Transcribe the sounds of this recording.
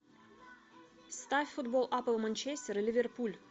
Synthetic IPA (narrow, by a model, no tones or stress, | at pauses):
st̪afʲfud̪bolˠʔapəlˠmanʲt͡ɕesʲt̪ʲeɾlʲɪvʲerpulʲ